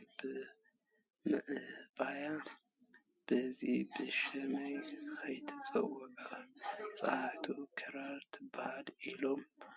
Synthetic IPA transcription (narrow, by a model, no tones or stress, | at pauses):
b̥ɨ | mɨʔɨbaja | b̥ɨzibɨʃɐmɐjkʰɐjt̪ʰɐ̥t͡sʼɐ̰wɔkʼat͡sʼaht̪ʰukʰɐɾaɾt̪ʰbaad̪ilo̞m